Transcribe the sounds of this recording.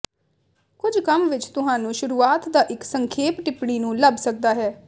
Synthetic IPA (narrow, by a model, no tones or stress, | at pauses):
kʊd͡ʒkəmʋɪt͡ʃt̪ʊɦãːnũːʃʊɾuːaːt̪d̪aːʔɪksəŋkʰeːpʈɪpɽiːnũːləbsək̚d̪aːɦɛː